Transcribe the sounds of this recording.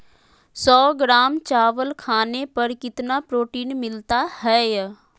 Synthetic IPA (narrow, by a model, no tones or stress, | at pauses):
sɔːɡɾaːmt͡ʃaːʋəlkʰaːnepəɾkɪt̪napɾoːʈiːnmɪlt̪ahɛː